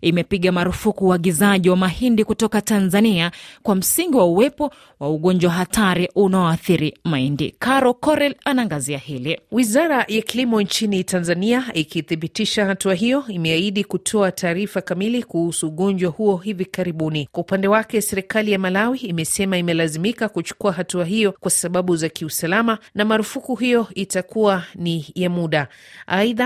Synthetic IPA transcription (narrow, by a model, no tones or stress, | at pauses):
imɛpiɠamaɾufukuːaɠizaʄiwamahindikutɔkatanzaniakwam̩siŋɡiwauwɛpɔ | wauɠɔɲd͡ʒwaɦatʰaɾiʔunaɔaθiɾimaindḭkaɾɔkɔɾɛlanaŋɡaziahiliwizaɾajakilimɔnt͡ʃinitanzaniaikiθiɓitiʃahatuaɦijɔimɛaiɗikutʰɔatʰaːɾifakamilikuhusuːɠɔnd͡ʒwahuɔhivikaɾiɓunikwaupandɛwakɛsɛɾikalijamalawiːmɛsɛmaimɛlazimikakut͡ʃu̥kuaɦatuaɦijɔkwasaɓaɓuzakiusalamanamaɾufukuɦijɔitakuanijamuɗa | ʔaiða